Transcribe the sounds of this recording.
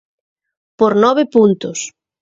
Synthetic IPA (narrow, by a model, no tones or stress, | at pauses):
poɾnɔβ̞ɪpunt̪ʊs